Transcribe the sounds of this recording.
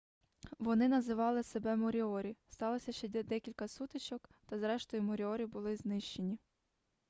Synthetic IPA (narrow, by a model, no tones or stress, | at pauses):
ʋɔnɪnɐzɪʋɑlˠɪse̞bɛmɔɾʲiɔɾʲist̪ɑlˠɔsʲɐʃt͡ʃɛɛd̪ɛkʲilʲkɐsut̪ɪt͡ʃɔkt̪ɐzɾɛʃt̪ɔjʊmɔɾʲiɔɾʲibʊlˠɪznɪʃt͡ʃe̞nʲi